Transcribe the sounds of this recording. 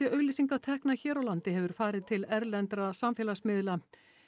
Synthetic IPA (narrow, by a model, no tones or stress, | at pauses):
ɛʔœːɣlisiŋkat̪ʰɛhknaçɛːɾawlant̪ɪɦɛvʏɾ̥faːɾɪðt̪ʰɪlɛɾlɛnt̪ɾasamfɛːlasmɪðla